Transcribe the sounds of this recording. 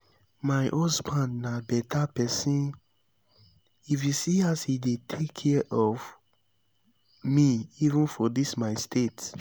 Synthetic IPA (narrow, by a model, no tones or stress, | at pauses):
maɪʔɔsbãndnabɛtapɛsĩn | ifjusiashidetʰekʰːɛʔɔv | miivə̃nfɔdismaɪstʰet